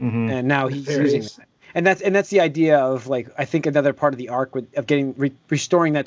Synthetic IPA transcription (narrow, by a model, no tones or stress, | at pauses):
mɨ̃nːaʊizjʉzɪ̃ŋ | ɨ̃nðætsɨ̃nðætsðiaɪdiɨʌvlaɪkaɪθɪ̃ŋkɨnʌðə˞pʰɑɹɾʌvðiɑɹkwɨdʌvɡɛɾɪ̃ŋɹiɹistɔɹɪ̃ŋðɨt